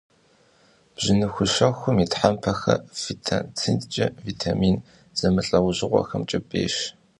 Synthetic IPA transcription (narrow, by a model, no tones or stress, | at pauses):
b̥ʑ̥ɪnɨxʷʊʃɐxʷʊmiːtħampʰɐxɐ̰fitʰatʰɨntt͡ʃʼɐvitʰamiːn | z̥ɐmɨɬʼɐwʊʑɪʁʷɔ̰xɐmt͡ʃʼɐbʼḛːʃ